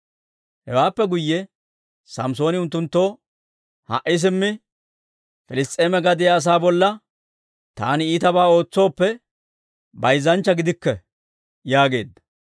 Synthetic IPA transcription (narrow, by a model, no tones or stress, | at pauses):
hɛ̰waːpːɛɡʊjːɛ | sɐmso̞ːnɪʊnt̪ːʊnt̪ːo̞ː | hɐ̰ʔɪs̬ɪmːɪ | fɪlɪst̪ʼeːmɛɡɐd̪ɪjɐːs̬aːbɔlːɐ | t̪a̰ːnɪiːt̪ɐbaːo̞ːt͡sːo̞ːpːɛ | bɐjzːɐnt͡ʃːɐɡɪd̪ɪkːɛ | jaːɡe̞ːd̪ːɐ̥